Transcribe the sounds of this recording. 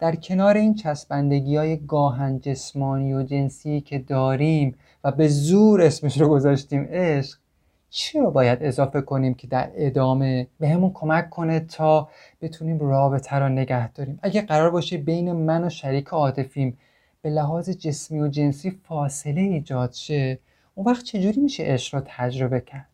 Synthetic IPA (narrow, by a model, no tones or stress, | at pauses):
d̪̥æɾcʰe̞nɒːɾe̞iːnt͡ʃʰæsbænd̪eɡiːɒːje̞ɡɒːɦænd͡ʒe̞smɒːniːjod͡ʒe̞nsiːcʰe̞d̪ɒːɾiːm | væbe̞zuːɾe̞smeʃɾoɡo̞zɒːʃt̪iːme̞ʃɢ | t͡ʃʰiɾɒbɒːjæd̪e̞zɒːfe̞kʰo̞niːmcʰe̞d̪æɾe̞d̪ɒːme̞beɦemunkʰo̞mækʰːo̞net̪ʰːɒː | b̥e̞t̪ʰuniːmrɒːbe̞t̪ʰæɾone̞ɟæhd̪̥ɒːɾiːmæɟæɢæɾɒːɾbɒːʃebe̞jne̞mænoʃæɾiːcʰeɒːt̪ʰe̞fiːm | b̥e̞læɦɒːze̞d͡ʒe̞smiːo̞d͡ʒe̞nsiːfɒːse̞le̞iːd͡ʒɒːd̪̥ʃe̞ | ʔunvæχt̪̚t͡ʃʰe̞d͡ʒuːɾiːmiːʃe̞̰ʔeʃʁ̥ɾot̪ʰæd͡ʒɾo̞be̞cʰæɾd̪̥